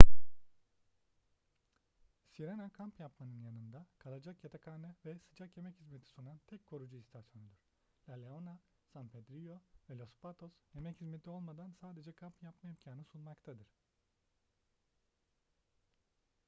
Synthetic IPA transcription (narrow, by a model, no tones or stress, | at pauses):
siɾenakʰampjapmanɯnjanɯnd̪akʰalˠad͡ʒakjat̪ʰakʰaːnɯvɛsɯd͡ʒakje̞mɛchizmet̪ʰi̥sunant̪ʰɛckʰːo̞ɾud͡ʒuist̪ʰasjo̞nud̪ɯɾ̥ | lʲalʲeona | sanpʰed̪ɾijovɛlʲospat̪ʰo̞sje̞mɛchizmet̪ʰio̞lˠmad̪ansaːd̪e̞d͡ʒɛkʰampjampmaimcʰaːnɯsunmakt̪ʰad̪ɯɾ̥